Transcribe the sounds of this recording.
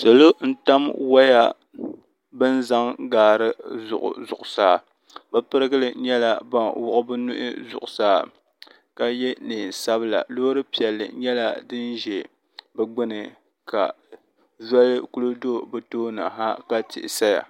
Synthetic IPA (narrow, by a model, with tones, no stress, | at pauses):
so˨lo˦n̩˦ta˦mwa˦ja˦ | bɨ˦n˦za˦ŋɡaː˨ɾɨ˦zʊ̰˨ʔʊ̰˨zʊ˨ʔʊ˨saː˦˨ | ba˦pɨ˦ɾɨ˦ɡɨ˦lɨ˨ɲɛ˦la˨ba˨nwʊ˨ʔʊ˦bɨ˦nʊ˦ʔɪ̰˦zʊ̰˨ʔʊ˨saː˦ | ka˦jɛ˦nɨː˨n˨sa˦bɨ˦la̰˨loː˦ɾɨ˦pi˨ɛ˨lːɨ̰˨ɲɛ˦la˦dɨ˦nʒɛ˨ | bɛ˦ɡ͡bɨ˦nɨ˨ | ka̰˨ | ʒɛ˦lɨ˦ku˦lɨ˦do˦bɨ˦toː˦na̰˨ɦa˦ka˦tɪ̰˨ʔɪ˨sa˦ja̰˨